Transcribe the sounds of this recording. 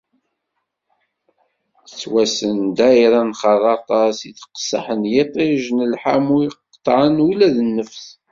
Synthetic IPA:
ət͡sːwæsənd̪æiɾˤɑnχɑðˤɑt̪ˤɑsiθqsɑ̰ħənjet̪ˤeʒnəlħamuiqt̪ˤːʕənulæðənːəfθ

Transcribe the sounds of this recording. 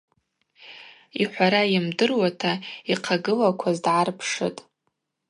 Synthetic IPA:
iħʷaɾajɪmdɨrwatʰaiqʰaɡɨlakʷʰazdʕarpʰʂɨ̰tʼ

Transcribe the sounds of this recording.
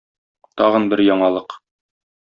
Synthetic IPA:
t̪ɒʁɤnbɘɾjɒɴɑlˠɤq

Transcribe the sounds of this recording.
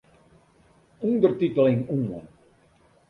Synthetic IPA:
undərtitəlɪŋuːə̰n

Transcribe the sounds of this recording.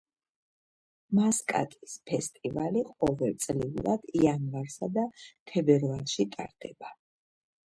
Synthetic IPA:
maskʼa̰t̪ʼispʰɛst̪ʼivaliqʼɔvɛlt̪sʼliulad̪̥ianvaɾsad̪at̪ʰɛbɛɾvalˠʃit̪ʼa̰ɾd̪̥ɛba

